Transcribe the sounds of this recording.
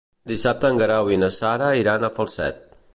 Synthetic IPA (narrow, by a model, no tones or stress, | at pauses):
d̪isap̚t̪əːŋɡəɾawinəsaɾəiɾanəfəlˠsɛ̰t̪̚